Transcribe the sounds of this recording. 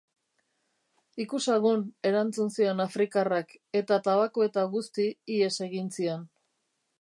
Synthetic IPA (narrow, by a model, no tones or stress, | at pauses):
ikusaɣune̞ɾant͡sunsio̞nafɾikarake̞t̪at̪aβakoe̞t̪aɣust̪iːe̞se̞ɣinsion